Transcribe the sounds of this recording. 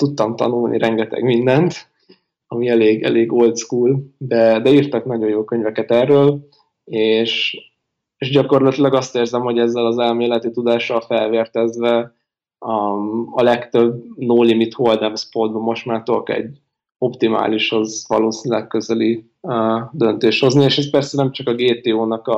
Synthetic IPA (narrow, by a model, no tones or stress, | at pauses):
t̪ut̪ːɒmt̪ɒ̰nulnḭɾʔɛŋɡɛt̪ɛ̰ɡmind̪ɛnt̪ | ɒmiɛleːɡɛ̰leːɡolt̪skuːld̪ɛd̪ɛirt̪ɒknɒɟo̞joːkø̞ɲvɛkɛt̪ɛrːøːl | eːʃ | eʒɟɒko̞rlɒt̪ilɒɡɒst̪eːrzɛmho̞ɟɛzːɛlɒzɛlmeːlɛt̪it̪ud̪aːʃɒlfɛlveːrt̪ɛzvɛ | ɒlɛkt̪øbnoːlimit̪hold̪ɛmspod̪̚bɒmːo̞ʃt̪maːrt̪okɛ̰ɟ | o̞pt̪ima̰ːliʃhozvɒ̰loːsinilɛkkø̞zɛli | d̪ø̞nt̪eːʃt̪ho̞znieːʃɛspɛrsɛnɛmt͡ʃɒkɒɡeːt̪eːoːnɒkɒ